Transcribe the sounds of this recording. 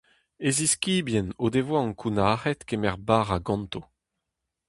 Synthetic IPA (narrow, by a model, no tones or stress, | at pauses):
eziskʲiːbjɛnod̪evwaɑ̃ŋkʰunaːʁɛt̪kemɛʁbaːʁaɡɑ̃nt̪o